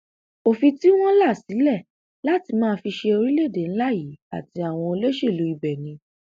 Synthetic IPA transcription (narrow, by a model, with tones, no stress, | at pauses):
o˨fi˧ti˦w̃ɔ̃˦la˦˨si˨˦lɛ˦˨ | la˦ti˧mãː˦˧fi˧ʃe˧o˧ɾi˦le˦˨de˨˦n̩˦la˦ji˨˦a˨ti˧a˨w̃ɔ̃˧o˧le˦ʃe˦˨lu˨˦i˧bɛ˨nĩ˨˧